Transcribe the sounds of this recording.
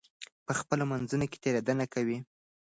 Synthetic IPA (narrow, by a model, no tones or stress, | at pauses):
pəxpəlomanzunoke̥t̪eɾad̪anakawi